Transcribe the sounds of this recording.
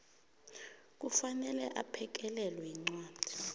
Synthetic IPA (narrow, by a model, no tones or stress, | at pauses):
k̬ufanɛlɛʔapʰɛk̬ɛlɛlwɛiŋ͡ǀwaːd̥ʱi̥